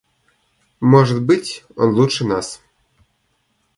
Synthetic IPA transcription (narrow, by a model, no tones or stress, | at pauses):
moʐə̆t̪bɨtʲo̰nlˠut̪ʂɘ̆nɑs